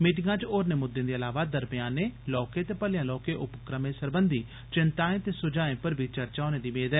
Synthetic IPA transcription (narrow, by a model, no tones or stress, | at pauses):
miːʈ̬ɪŋɡãːt͡ʃoːɾnẽːmʊd̪ːẽːd̪iːəlaːʋaːd̪əɾbɪjaːneːlɔːkeːt̪eːpəljãːlɔːkeːʔʊpəkɾəmẽːsəɾbənd̪iː | t͡ʃɪnt̪aːẽːt̪eːsʊd͡ʒaːẽːpəɾbʱit͡ʃəɾt͡ʃaːneːd̪iːmeːd̪ɛ